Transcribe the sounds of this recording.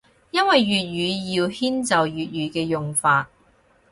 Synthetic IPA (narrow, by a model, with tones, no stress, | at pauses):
jɐ˥nwɐ˨jːyː˨t̚jyː˨˧jiː˧whiː˥nt͡sɐ˨wjyː˨t̚ɥyː˨˧kɛː˧jʊ˨ŋfaː˧t̚